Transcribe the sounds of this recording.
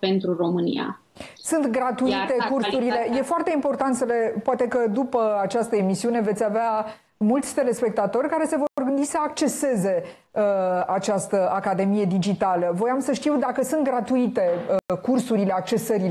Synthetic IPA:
pe̞nt̪ɾuro̞mɨnḭja̰ | sunt̪ɡɾat̪uit̪e̞kursuɾile̞je̞foart̪e̞impo̞rt̪ant̪səle̞poat̪e̞kəd̪upəat͡ʃast̪əemisiune̞ve̞t̪sʲavea | mult̪sʲt̪e̞le̞spe̞k̚t̪at̪o̞rʲkaɾe̞se̞vo̞rorɡɨnd̪isəakt͡ʃe̞se̞ze̞əat͡ʃast̪əakad̪e̞mije̞d̪id͡ʒit̪aləvo̞jamsəʃt̪iwd̪akəsunt̪̚ɡɾat̪uit̪e̞əkursuɾile̞ak̚t͡ʃe̞səɾi

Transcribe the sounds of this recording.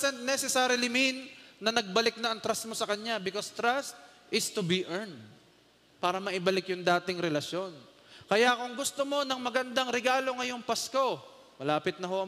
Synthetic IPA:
sɛnnɛsɛsaːɾɪlɪmɪnːɐnɐɡ̚bɐlɪk̚nɐɐŋt̪ɾas̚mo̞sɐkɐɲabɪkost̪ɾast̪ | ʔɪst̪ubiʔɛɹnd̪ | paːɾɐmɐʔɪbɐlɪkjʊŋd̪aːt̪ɪŋɾɛlɐsjo̞n | kɐjakʊŋɡʊst̪omo̞nɐŋmɐɡɐnd̪aŋɾɛɡaːlo̞ŋɐjo̞ŋpɐsko̞ | mɐlaːpɪt̪̚nɐɦo̞ʔɐ

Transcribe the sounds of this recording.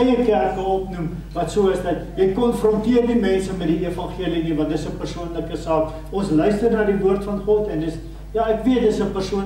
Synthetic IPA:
jəkærkəɔpnum | vɐtsuːəsdɐt̚jɛjkɔnfrɔntiərdimɛnsəmɛtdiefɐnχiəlinivɐ̃ndəsəpərsuənləkəsɑːk | ɔnslœɥstərnɑːdivuərtfɐnχɔtɛndəs | jɑːækviət̚dəsəpərsuən

